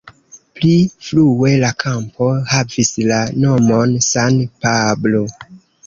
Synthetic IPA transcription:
pliflue̞lakʰampo̞havislano̞mo̞nsanpablo

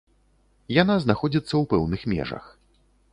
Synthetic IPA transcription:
jan̪aznaxɔd͡zʲit̪sːɐwpɛwnɨxmʲɛ̰ʐɐ̰x

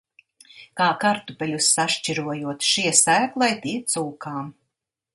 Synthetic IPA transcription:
kaːkaɾt̪upɛlʲusːaʃt͡ʃiɾuɔjuɔt̪ʃiɛsæːklˠajt̪iɛt̪suːkaːm

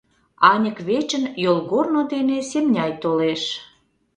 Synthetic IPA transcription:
ɑnʲəkβet͡ɕənjolɣornod̪enesemnʲɑjt̪oleʃ

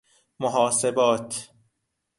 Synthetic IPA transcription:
moɦɒːse̞bɒːt̪ʰ

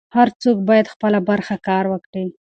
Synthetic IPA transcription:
haɾt͡sok̚bɑjad̪xpəlabaɾxakɑɾwəkɽi

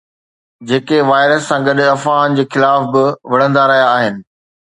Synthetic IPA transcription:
d͡ʑeːkeʋaːɪɾəsːãːɡɐɗɐfaːnd͡ʑeːxɪlaːfbɪʋɐɽ̤ə̃nd̪aɾɐɦijaːɦɪnɪ̆

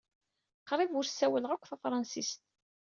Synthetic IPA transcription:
qɾˤivʊɾsːæwəlʁakʷːθæfɾˤɑnsist̪̚

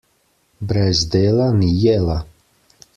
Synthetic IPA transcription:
bɾɛzd̪eːlanijɛla

